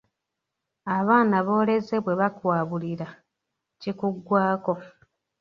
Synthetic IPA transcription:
aβaːnaβo̞ːle̞ze̞βwe̞βakwaːβuliɾa | cikuɡwaːko̞

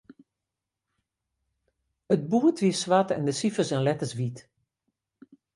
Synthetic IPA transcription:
ət̚buːətʋiəsʋatɛ̰ndəsifəsɛnlɛtəsʋit

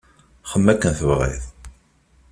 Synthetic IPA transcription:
χəmːækːənθəvʁḭθ

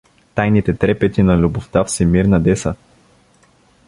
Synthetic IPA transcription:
t̪ajnit̪ɛt̪ɾɛpɛt̪inɐlʲubʊft̪afsimiɾnɐd̪ɛsə

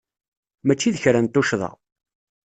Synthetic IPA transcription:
mæt͡ʃːiðəçɾænt̪ːʊʃðˤɑ̰ʁ

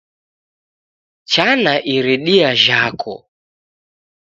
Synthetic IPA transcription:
t͡ʃanaʔiɾiɗiaʒakʰɔ̰

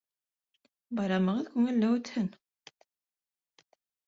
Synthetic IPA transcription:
bɑɾɑməʁəðkʷuŋælːæwət͡s̪hən

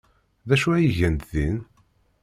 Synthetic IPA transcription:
ðæʃuæjəʝənt̪ðin

